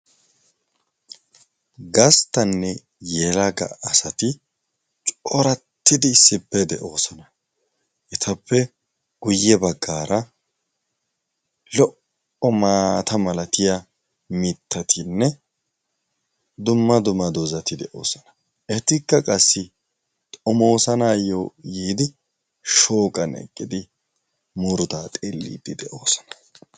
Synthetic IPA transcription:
ɡɐst̪ɐnːɛ | jɛːlɐɡɐ̰ʔːsɐt̪ɪ | t͡ʃʼɔɾɐt̪ːɪd̪ɪsɪpːɛd̪ɛʔo̞ːsɔnɐ | ʔɛt̪ʰɐpʰːɛ | ɡ̥ʊjːɛbɐɡːaːɾɐ | lɔʔ | ɔmaːt̪ʰɐmɐlɐt̪ɪjɐ | mɪt̪ːɐt̪ʰɪnːɛ | d̪ʊmːɐd̪ʊmːɐd̪ozɐt̪ɪd̪ɛʔo̰ːsɐnɐ̥ | ʔɛt̪ɪkːɐkʼɐsːɪ | t̪ʼɔmo̞ːsɐnaːjojiːd̪ɪ | ʃo̞ːkʼɐnɛ̰kʼːɪd̪ɪ | mʊɾʊt̪aːt̪ʼeːlːḭːd̪̥ɪd̪ɛʔoːsɔ̥nɐ̥

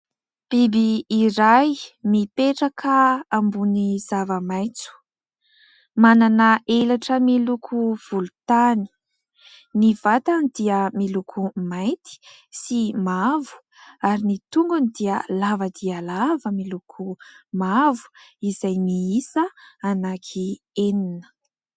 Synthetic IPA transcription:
b̥ibiːɾajmipeʈ͡ʂəkʰəambuniz̥avəmajt͡su̥ | mananəʔelaʈ͡ʂəmilukʰuv̥ulut̪ani̥ | niv̥at̪anid̪iəmilukʰumajt̪i̥ | simavu̥ | aɾinit̪uŋɡanid̪iəlavəd̪ialavəmilukʰumavu̥izajmiisəanakʰi | eninə̥

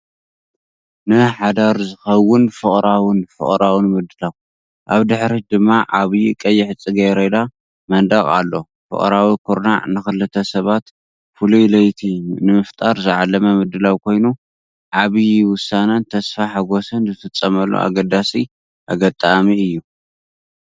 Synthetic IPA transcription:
nɨħad̪aɾzɨxɐwːʊnfɨχʼɾawɨnfɨ̰χʼɾawnmɨd̪ɨlaw | ʔaβd̪ɨħɾid̪ɨmːaʕaβjikʼɐjːɪħɨt͡sʼːɨɡɐjɾed̪a | mɐnd̪ɐkʼa̰lːo̞ | fɨ̰χʼɾawikʰoɾna̰nɨxɨlɨt̪ʰɐsɐβat̪ | fulujlɐjt̪ʰiunɨmɨft̪ʼaɾzɨʕalːɐmɐmɨd̪ɨlawkʰo̞jnu | ʕaβijwʊsanɐnt̪ʰɐsfaħaɡo̞sɨnzɨfɨt͡sʼːɐmɐlːo̰ʔa̰ɡɐd̪asi | ʔaɡɐt̪ʼamiɨjːu

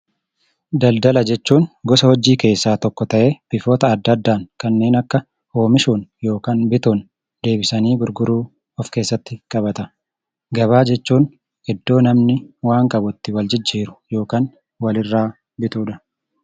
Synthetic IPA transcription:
d̪ɐld̪ɐlɐd͡ʒɛt͡ʃːuːnɡɔsɐhɔd͡ʒːiːke̞ːsːaːt̪ɔkːɔt̪ɐʔe̞ːb̥ɪfoːt̪ɐːd̪ːɐd̪ːaːŋkɐnːe̞ːnɐkːɐ | ho̞ːmɪʃuːnjo̞ːkaːnbɪt̪uːn | d̪e̞ːbɪsɐniːɡʊɾɡʊɾuː | ɔfke̞ːsːɐt̪ːɪkʼɐbɐt̪ɐ | ɡɐβaːd͡ʒɛt͡ʃːuːn | ɪd̪ːo̞ːnɐmnɪwaːŋkʼɐbʊt̪ːɪwɐld͡ʒɪd͡ʒːiːɾʊ̥jo̞ːkaːn | wɐlɪrːaː | bɪt̪uːᶑɐ̥

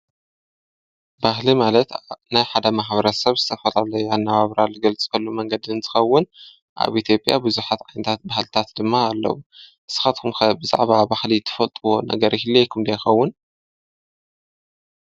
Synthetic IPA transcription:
bahlimalɐt̪najħad̪ɐmaħbɐɾɐsɐβzɨt̪ʰɐfɐlalɐjuanːaβaβɾalɨɡɐlt͡sʼi̥kʰɐlːumɐŋɡɐd̪iɨnt̪ʰɨ̥xɐwːʊn | ʔa̰βʔit̪ʰjo̞pʼja̰bɨzuħat̪ʕajnɨt̪ʰat̪̚bahlt̪ʰat̪d̪ɨmːaːlːɐ̰wuʔɨsɨ̥xat̪kʰumxɐbɨza̰ʕβabahlit̪ʰːɐ̥fɐlt̪ʼɨwo̞nɐ̰ɡɐɾʔihilejkʰumd̪ɐjxɐwːʊn

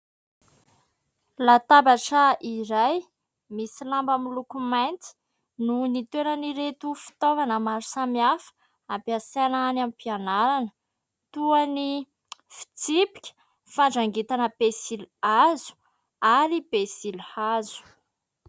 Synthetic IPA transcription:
lat̪abaʈ͡ʂəiɾaj | misilambamilukumajnt͡s̪i̥ | nunit̪eɾəniɾet̪ufi̥t̪ovanəmaɾu̥samiafə̥ | apiasanaanampianaɾanə | t̪uani | fi̥t͡sipi̥kʲə̥ | faɳɖ͡ʐaŋɡit̪anəpesilazu̥ | aɾipesilhazu̥

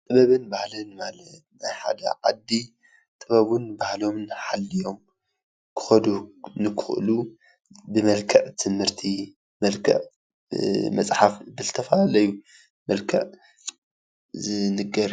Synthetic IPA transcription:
t̪ʼɨβɐβɨnbahlɨnmalɐt̪̚najħa̰d̪ɐ̰ʕa̰d̪ːi | t̪ʼɨβɐβunbahlo̞mnħalːijo̞m | kʰɨ̥xɐd̪unɨkʰɨxlu | bɨmɐlkʰɐʕt̪ʰɨmhɨɾt̪ʰi | mɐlkʰɐ̰ʕ | mɐsʼħafbɨzɨt̪ʰɐfɐalɐju | mɐlkʰɐʔ | zɨnɨɡɐɾ

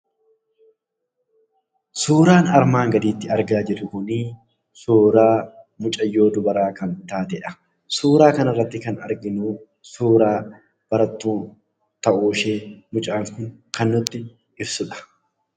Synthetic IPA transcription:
suːɾaːnɐɾmaːŋɡɐd̪iːt̪ːɪɐɾɡaːd͡ʒɪɾʊkʊniː | suːɾaː | mʊt͡ʃʼɐjːo̞ːd̪ʊbɐɾaːkɐnt̪aːt̪ɛᶑɐ̥ | suːɾaːkɐnɐrːɐt̪ːɪkɐnɐ̰ɾɡɪnuː | suːɾaː | b̥ɐɾɐt̪ːuːn | t̪ɐʔuːʃeːmʊt͡ʃʼaːŋkʊŋkɐnːʊt̪ːɪ | ɪbsʊᶑɐ̥

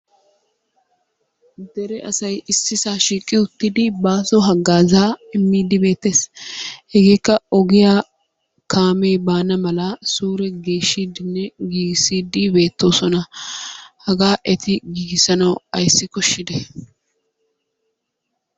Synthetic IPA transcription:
d̪ɛɾɛʔɐsɐjɪsːɪsaːʃiːkʼːɪʊt̪ːɪd̪ɪbaːsɔɦɐɡːaːzaːɪmːiːd̪ɪbe̞ːt̪ːeːshɛɡeːkːɐɔɡɪjaː | kʰaːmeːbaːnɐmɐlɐsuːɾɛɡeːʃːiːd̪ɪnːɛɡiːɡɪsiːd̪ɪbe̞ːt̪ːo̞ːsɔnɐ | hɐɡaːʔɛt̪ɪɡiːɡɪsɐnɐwɐjsːɪkɔʃːɪd̪ɛ

